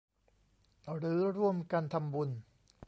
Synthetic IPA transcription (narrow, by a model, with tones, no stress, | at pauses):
ɾɯː˦˥ɾu˥˩əmka˧nt̪ʰa˧mbu˧n